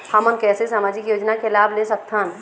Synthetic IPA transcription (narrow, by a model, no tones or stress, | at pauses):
həmənkɛːsesaːmaːd͡ʒɪkjoːd͡ʒnakelaːbʱlesək̚t̪ʰan